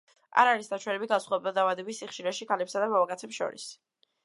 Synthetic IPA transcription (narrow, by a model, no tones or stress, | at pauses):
a̰ɾaɾisnat͡ʃʰwɛnɛbiɡasχwavɛb̪ad̪aːvad̪ɛbisːiχʃiɾɛʃikʰalɛpsad̪amɔvaɡat̪sʰɛpsʃɔ̰ɾḭs